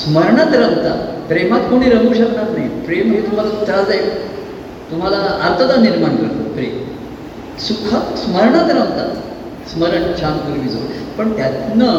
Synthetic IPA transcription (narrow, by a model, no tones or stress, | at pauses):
sməɾɳat̪ɾaɦt̪a̰pɾemat̪koɽ̃iːɾəɦuːɕəkɳat̪naɦipɾemɦet̪um̤alat͡sad͡zae | t̪um̤alaaɾt̪ʰəd̪aniɾmaɳkəɾt̪o̰pɾem | sukʰasməɾɳat̪ɾaɦt̪a̰ | sməɾəɳt͡ɕʰankəɾmiːd͡zo̰pəɳt̪jat̪nə